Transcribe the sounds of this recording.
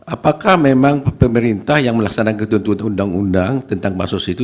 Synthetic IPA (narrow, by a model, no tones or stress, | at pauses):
ʔapakahmemaŋpəməɾint̪ahjaŋməlaksanakət̪unt̪unundaŋundaŋt̪ənt̪aŋma̰susit̪u